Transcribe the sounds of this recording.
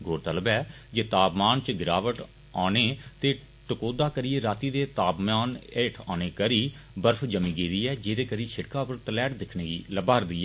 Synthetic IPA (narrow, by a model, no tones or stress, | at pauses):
ɡoːɾt̪əlbɛː | d͡ʒeːt̪aːpmaːnt͡ʃɡɪɾaːʋəʈ | aːneːt̪eː | ʈəkoːd̪aːkəɾiːeːɾaːt̪iːd̪eːt̪aːpmaːneːʈʰa̰ːneːkəɾiːbəɾpʰd͡ʒəmĩːɡiːd̪iːɛːd͡ʒeːd̪eːkəɾiːʃʰɪʈkaːpəɾt̪əlɛːʈd̪ɪkʰneːɡiːləbaːɾd̪iːɛː